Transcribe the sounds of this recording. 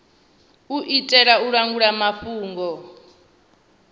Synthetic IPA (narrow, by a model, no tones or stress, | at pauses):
uʔitʼɛɺauɺaŋɡuɺamaɸuːŋɡɔ